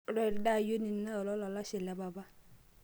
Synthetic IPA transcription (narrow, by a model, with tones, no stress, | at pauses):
ɾɔ˦˨da˦˨jo˦ni˨˦na˦ɔ˨lɔ˦lɔ˨la˦ʃɪ˨lɛ˨ba˨ba˦